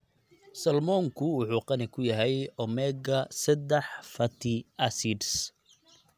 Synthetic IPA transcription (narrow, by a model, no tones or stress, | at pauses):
sɐlmɔːŋkʰʊwʊħuːqɑnɪkʰʊjɐɦɛjʔɔmɛːɡɐsɐd̪ɛħfɐt̪ʰɪɐsiɖs